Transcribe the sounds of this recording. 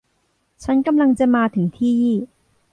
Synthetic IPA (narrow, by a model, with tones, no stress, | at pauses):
t͡sʰɐ˧˥nkɐ˥mlɐ˧ŋt͡sɛ˥maː˧t̪ʰi˨˩˦ŋt̪ʰiː˥˨jiː˥˩˨